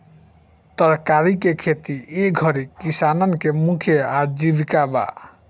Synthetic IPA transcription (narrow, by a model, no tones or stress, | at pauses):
t̪əɾkaɾikekʰet̪ieɡʱʌɾikisanɔnkemukʰjeaɾd͡ʒibikaba̰